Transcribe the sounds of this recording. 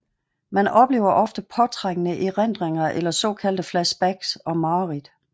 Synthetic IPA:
mænɒ̽b̥le̝̰ːʊɐʔɒ̽fd̥əpʰɒ̽t͡sʰʁaŋənəʔiʁen̰d̥ʁeŋɐʔelɐsɒ̰̽ːkʰæld̥əflæsb̥æɡ̥sɒ̽mɑ̈ʊʁid̥

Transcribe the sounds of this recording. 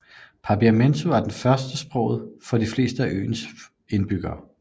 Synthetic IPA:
pʰɑ̈b̥iæment͡sʰuʋɑ̈d̥enfɶɐsd̥əsb̥ʁɔ̽ʊ̰ð̩ˠfɒ̽difle̝̰ːsd̥əæʔø̰ːns | e̝nb̥yɡ̥ɐː

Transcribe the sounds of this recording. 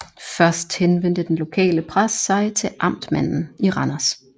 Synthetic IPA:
fɶɐsd̥henʋen̰d̥əd̥enlo̝kʰɛ̰ːləpʰʁasːɑ̈ɪt͡sʰe̝lʔɑ̈m̰d̥mæn̰n̩iʁɑnɐs

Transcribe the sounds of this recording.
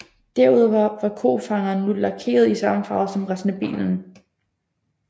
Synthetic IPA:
d̥æɐ̰uð̞̰ˠʋɑ̈ʋɑ̈kʰo̝̰ːfɑ̈ŋɐːnːulɑ̈kʰe̝̰ːɐð̞ˠisɑmfɑ̈ʊð̩ˠsɒ̽mʁasnəb̥ḭːln̩

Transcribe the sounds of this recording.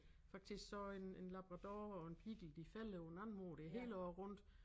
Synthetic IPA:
fɑ̈ɡ̥̚d̥isɡ̥sɒ̽enenlɑb̥ʁɑd̥ɑːɒ̽e̝npʰiɡ̥l̩d̥ifæl̰əonænmoːɾ̥eɦe̝̰ːld̥ɒʊʁɔ̽n̰d̥

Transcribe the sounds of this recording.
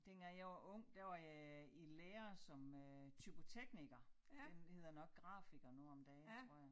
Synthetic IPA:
d̥enɡæjɑʋɑʔɔ̽ŋ̰d̥æʋɑ̈jɑileːɐsɒ̽møt͡sʰybʰo̝t͡sʰeɡ̥niɡ̥ɐ | d̥enhe̝ð̞̰ˠɐnɒ̽ɡ̥̚ɡ̥ʁɑ̈fiɡ̥ɐnuɒ̽md̥ɛːt͡sʰʁo̝ɐ̰jɑ

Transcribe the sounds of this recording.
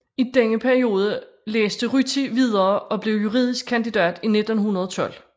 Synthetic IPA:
id̥eŋəpʰæɐio̝ːð̞ˠə | lḛːsd̥əʁyt͡sʰiʋið̞ˠɐːɒ̽b̥le̝ʊjuʁḭːð̞̰ˠisɡ̥̚kʰːænd̥id̥ɛ̰ːd̥ine̝d̥n̩ɦunɐð̞̩ˠɒt͡sʰɒ̽l̰

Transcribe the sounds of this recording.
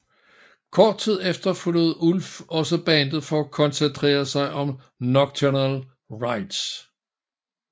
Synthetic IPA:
kʰɒːd̥̚t͡sʰið̞̰ˠefd̥ɐfønuð̞̩ˠulfɒ̽səb̥ɛnd̥ð̞̩ˠfɒ̽ækʰɒ̽nsent͡sʰʁḛːɐsɑ̈ɪʔɒ̽m | nɒɡ̥̚t͡sʰənæl | ʁɑ̈ɪd̥s

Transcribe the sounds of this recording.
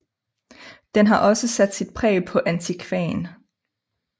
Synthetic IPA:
d̥enɦɑ̈ʔɒ̽səsæd̥sid̥̚pʰʁɛ̰ːpʰɒ̽ʔænt͡sʰikʰʋɛːn

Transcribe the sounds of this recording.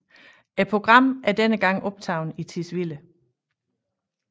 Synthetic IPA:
epʰo̝ɡ̥ʁɑ̈m̰æɐd̥enəɡ̥ɑ̈ŋ̰ɒ̽b̥t͡sʰɑ̈ʊ̰nit͡sʰisʋilə

